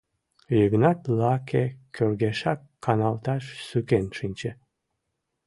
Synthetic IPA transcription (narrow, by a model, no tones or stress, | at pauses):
jəɣnɑt̪lɑkʰekʲʰøɾɡeʃɑkʰːɑnɑlˠt̪ɑʃsykenʃinʲt͡ɕe